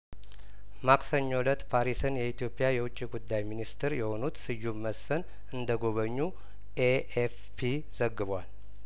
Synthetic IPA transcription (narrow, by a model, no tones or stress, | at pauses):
maksəɲːolət̪pʰaɾisɨnjɛit̪ʰjo̞pʼːɪjajɛwʊt͡ʃʼːiɡud̪ːajminist̪ʰɨɾjɛho̞nut̪sɨjːumːəsfən | ɨnd̪əɡo̞βəɲːu | ʔeef | pʰi | z̥əɡːɨβwal